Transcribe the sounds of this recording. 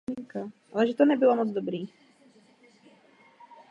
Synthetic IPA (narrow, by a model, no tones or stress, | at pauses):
iŋkaʔalɛʒɛt̪ɔnɛbilamɔd͡zd̪ɔbɾiː